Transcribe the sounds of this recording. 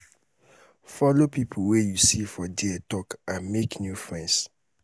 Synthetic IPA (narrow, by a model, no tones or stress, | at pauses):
fɔlopipʰuwejusifɔdietɔkameknjufɹɛ̃ns